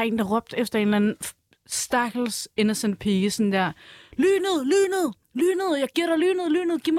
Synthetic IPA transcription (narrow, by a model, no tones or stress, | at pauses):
e̝ːnd̥ɑ̈ʁɔ̽b̥̚d̥efd̥ɐe̝ːnlæn̩ | sd̥ɑɡ̥l̩se̝nəsən̥̚pʰeːəsɔ̽nd̥æɐ̰lyːnəðˠlyːnðˠ | lyːnəð̩ˠjɑ̈ɪɡ̥iɐ̰ɾ̥ɑlyːnəðˠly̰ːnəðˠɡ̥iɐm